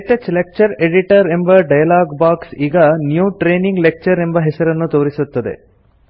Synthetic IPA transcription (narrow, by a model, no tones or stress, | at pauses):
ʈːɐt͡ʃlek̚t͡ʃɐɾeɖiʈɐɾe̞mbɐɖɐjɐlaːɡbaːksiːɡɐnjuːʈɾeːniŋɡlek̚t͡ʃɐɾe̞mbɐɦesɐɾɐnːut̪oːɾisut̪ːɐd̪e̞̰